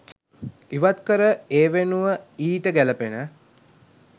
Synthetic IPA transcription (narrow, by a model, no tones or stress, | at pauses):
iʋat̪kəɾəeːʋenuʋəiːʈəɡæləpenə